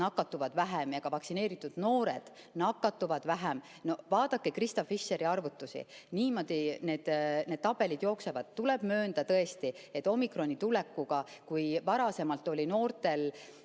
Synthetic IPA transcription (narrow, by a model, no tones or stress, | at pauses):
nɑkːɑt̪ːuvɑd̪̥væɦemjɑɡ̥ɑvɑksine̞ːɾit̪ːˑud̪̥no̞ːɾed̪̥ | nɑkːˑɑt̪ːuvɑd̪̥væɦem | no̞vɑːd̪̥ɑkːekrist̪ɑfisːe̞ɾiɑrvut̪ːusḭniːmo̞d̪̥ine̞ːd̪̥ned̪̥̚t̪ɑb̥e̞lid̪̥jo̞ːkse̞vɑd̪̥̚t̪ulɛb̥mø̞ːnd̪̥ɑt̪ɤ̞e̞st̪iet̪ːˑo̞mikro̞nʲːit̪ule̞kːuɡ̥ɑkujvɑɾɑse̞mɑlt̪ːˑo̞lʲino̞ːrt̪e̞l